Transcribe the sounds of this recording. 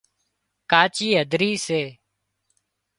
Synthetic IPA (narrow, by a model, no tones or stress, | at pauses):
kaːt͡ʃiːɦəd̪ʱɾiːseː